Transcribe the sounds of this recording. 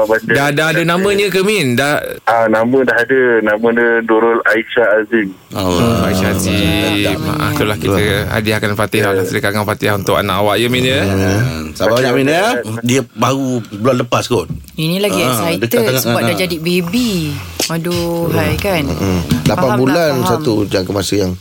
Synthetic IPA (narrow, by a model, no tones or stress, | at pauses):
abadadaadənamə̃ɲəkəmindaanamə̃daɦadənamə̃dəduɾʊlaiʃaːzim | aaʃaazima̰ʔa̰ht̪ulahkit̪əa̰diakanfat̪ɪɦanasdəkaŋaŋpat̪iaɦunt̪ʊka̰naʔawaʔjəminɲə | sabaaɲaʔminaadiəbaɣubəlanləpaskʊn | inĩlaiadəkaaŋaəabadad͡ʒadibebimaduajkanə̰ʔlapanbulansat̪ud͡ʒaŋkəmasəjaŋ